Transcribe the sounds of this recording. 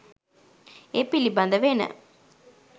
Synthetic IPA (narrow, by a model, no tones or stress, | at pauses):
epːilːibɐnd̪ɐʋeːnɐ̰